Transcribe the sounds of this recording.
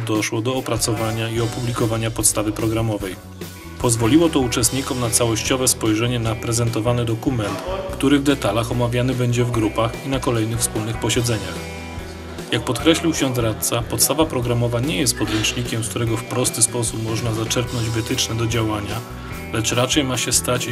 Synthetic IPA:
d̪ɔʂwɔd̪ɔːpɾat̪sɔvaɲaiɔpublʲikɔvaɲapɔt̪st̪avɘpɾɔɡɾamɔvɛj | pɔzvɔlʲiwɔt̪ɔut͡ʂɛst̪ɲikɔmnat̪sawɔɕt͡ɕɔvɛspɔjʐɛɲɛnapɾɛzɛnt̪ɔvanɛd̪ɔkumɛnt̪kt̪uɾɘvd̪ɛt̪alaxɔmavʲjanɘbɛɲd͡ʑɛvɡɾupaxinakɔlɛjnɘxfspulnɘxpɔɕɛd̪zɛɲax | jak̚pɔt̪kɾɛɕlʲiwkɕɔ̃nzɾat̪sapɔt̪st̪avapɾɔɡɾamɔvaɲɛjɛst̪pɔd̪ɾɛnt͡ʂɲikʲɛmsk̚t̪uɾɛɡɔfpɾɔst̪ɘspɔsupmɔʐnazat͡ʂɛɾpnɔɲd͡ʑvɘt̪ɘt͡ʂnɛd̪ɔd͡ʑawaɲa | lɛt͡ʂɾat͡ʂɛjmaɕɛst̪at͡ɕ

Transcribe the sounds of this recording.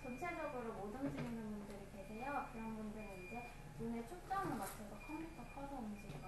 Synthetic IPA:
t͡ɕʌnt͡ɕʰed͡ʑʌɡɯɾomod͡ʑʌmd͡ʑiɡinɯnmundɯɾikedejʌkɯɾʌnbundɯɾɯind͡ʑe̞ | nunet͡ɕʰok̚t͡ɕ͈aanɯmat͡ɕʰesʰʌkʰʌmpʰutʰʌpʰasʰʌund͡ʑiiɡa

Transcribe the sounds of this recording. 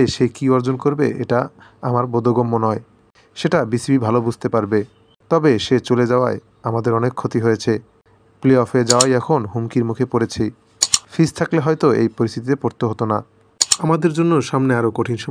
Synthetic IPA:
eʃekiɔɾd͡ʑonkoɾbeḛʈaamaɾbod̪ʱoɡomːonɔe | ʃeʈabisibibʱalobud͡ʑʱt̪epaɾbe | t̪ɔbeʃet͡ɕoled͡ʑaoae | amad̪eɾɔnekʰːot̪iɦojet͡ɕʰe | pleɔfed͡ʑaoajɛkʰonɦumkiɾmukʰepoɾet͡ɕʰe | fʰist̪ʰakleɦɔjt̪oḛjpoɾist̪ʰit̪it̪epoɾt̪oɦot̪ona | amad̪eɾd͡ʑonːoʃamneaɾokoʈʰinʃɔ

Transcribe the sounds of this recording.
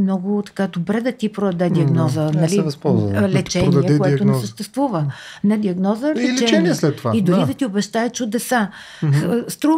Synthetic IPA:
mnɔɡʊt̪ɐ̥kad̪obɾɛd̪ɐt̪ipɾoɐd̪ɛd̪ʲiɐɡnɔzənɐlivspɔlˠzlɛt͡ʃɛnɛkɛoɛʊnɛɛssəʃt̪ɛst̪vuvə | nɐd̪iɐɡnɔzəlɛlt͡ʃɛɛɛniɛslɛt̪ːovaid̪ʊɾid̪ɐt̪iobɛʃt̪aɛt͡ʃʊd̪ɛsa | st̪ɾu

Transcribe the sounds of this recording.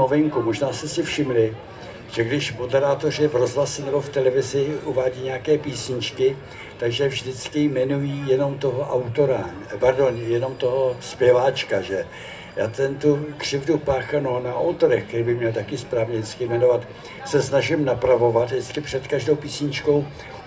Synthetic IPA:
ovɪŋkumoʒnaːst̪ɛsɪfʃɪmlɪ | ʒ̥ɛɡdɪʃvmo̞dɛɾaːt̪o̞r̝ɪvɾo̞zɦlasɛnɛbo̞ft̪ɛlɛvɪzɪʔuvaːɟiːɲɛakɛːpiːsɲɪt͡ʃkɪ | t̪aɡʒɛvʒdɪt͡skɪmɛnujiːjɛno̞mt̪o̞ɦoʔawt̪o̞ɾa | paɾdo̞njɛno̞mt̪o̞ɦo̞spjɛvaːt͡ʃkaʒɛ | jaːt̪ɛnt̪ukr̥ɪvdupaːxanonaʔot̪oɾɛxkɛɾiːbɪxmɲɛlt̪akɪspɾaːvɲɛdɪt͡skɪmɛno̞vat̪ | sɛsnaʒɪmnapɾavo̞vat̪ɦɪt͡skɪpr̝̥ɛt̪kaʒdo̞wpiːsɲɪt͡ʃko̞w

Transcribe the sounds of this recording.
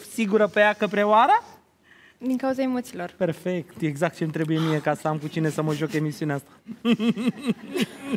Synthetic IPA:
siɡuɾəpejakəpɾeoaɾə | d̪iŋkauzaemo̞t̪silo̞rpe̞rfek̚t̪eɡzak̚t̪̚t͡ʃemt̪ɾe̞buje̞mije̞kasəamkut͡ʃine̞səməʒoke̞misiuneast̪ḁ

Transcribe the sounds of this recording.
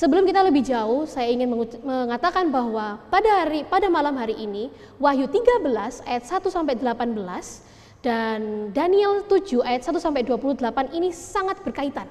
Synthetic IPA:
səbəlʊmkit̪aləbɪhd͡ʒaʊhsajaiŋɪnməməŋat̪akanbaɦwapadaɾipadamalamɦaɾiʔini | waɦjut̪iɡabəlasajat̪̚sat̪usampadəlapanbəlas | d̥andaniɛlt̪ud͡ʒuajat̪̚sat̪usampaduapuluhdəlapaninisaŋat̪̚b̥ərkait̪an

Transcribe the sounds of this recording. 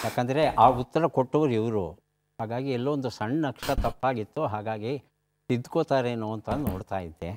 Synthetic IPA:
jaːkɐnd̪ɐɾe̞ʔaːut̪ːɐɾɐkoʈːoʋɐɾuɛʋɐɾṵ | ɦaːɡaːɡiɛlːoʋond̪usɐɳːnɐkʂɐt̪ɐpːaːɡit̪ːuɦaːɡaːɡi | sid̪ːukoːt̪aːɾeːnuɐnt̪ɐnno̰ːɽt̪aːjid̪ːe

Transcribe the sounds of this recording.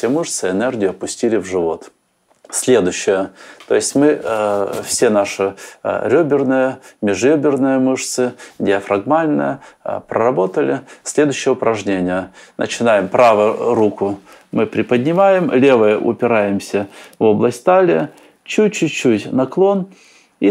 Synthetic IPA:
fsʲemɨʂt̪sɨɛnɛrɡʲɪjʊɐpʊsʲtʲilʲɪvʐɨvo̞t̪ | sʲlʲe̞d̪ʊɕːɪjət̪o̞ɪsʲtʲmɨ | fsʲenaʂɨɾʲɵbʲɪrnɨjəmʲɪʐɾʲɵbʲɪrnɨjəmɨʂt̪sɨdʲɪɐfɾɐɡmalʲnə̰jə̰pɾə̰ɾɐbo̞t̪əlʲɪsʲlʲe̞d̪ʊjɕːɪjəʊpɾʔɐʐnʲenʲɪjənə̰t͡ɕɪnajɪmpɾavəjʊɾukʊ | mɨpɾʲɪpədʲnʲɪmajɪmlʲe̞vəjəʔʊ̰pʲɪɾajɪmsʲəvo̞blˠəsʲtʲt̪alʲɪə | t͡ɕutʲt͡ɕːutʲt͡ɕːutʲnɐklˠo̞n | i

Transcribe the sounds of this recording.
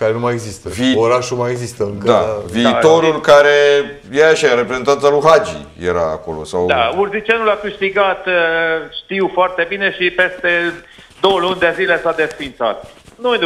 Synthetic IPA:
kaɾe̞numajeɡzist̪əvioɾaʃumaje̞ɡzist̪əɨŋkəd̪aviːt̪o̞ɾulkaɾe̞ | jeaʃaɾe̞pɾezet̪ant̪saluɦad͡ʒḭjḛɾa̰ːko̞̰losawd̪aurzit͡ʃenulakɨʃt̪iɡat̪ʃt̪iwfoart̪e̞bine̞ʃipest̪e̞ | d̪owəlunʲd̪ezilesad̪e̞sfint̪sa̰t̪̚nu

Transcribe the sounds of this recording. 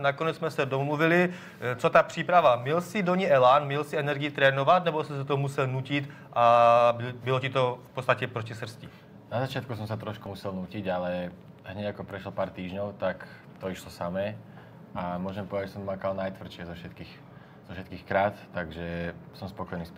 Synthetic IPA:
nakoɲɛd͡zzmɛsɛdomluvili | t͡sot̪aːpr̝̥iːpɾaʋamilsidoɲiɛlaːnmilsiɛnɛɾɡiit̪ɾɛːnoʋat̪nɛbɔsis̬at̪omusɛlnuːcit̪ | ʔabbilocit̪ofpot̪st̪acɛpɾocisr̩sci | nazat͡ʃɪat̪̚kusɔmsat̪ɾɔʃkumusɛlnuːciɟalɛ | ɦɲɛakɔpɾɛʃlɔpaːɾt̪iːʒɲɔʊt̪ak | t̪ɔiʃlɔsamɛː | amʊɔʒɛmpɔʋɛd̪aɟd͡ʒɛsɔmmakalnajt̪ʋr̩ʃɪɛzɔfʃɛt̪kiːx | z̥ɔfʃɛt̪̚kiːxkɾaːt̪ːaɡʒɛsɔmspɔkɔjniːs

